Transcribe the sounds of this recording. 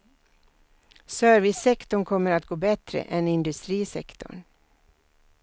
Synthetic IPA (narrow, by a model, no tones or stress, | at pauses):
sœːɾvɪsɛkt̪ɔɳkʰɔmːəɾat̪ɡoːbɛt̪ɾə̰ʔɛnɪnd̪ɵst̪ɾiːsɛkt̪ɔ̰ɳ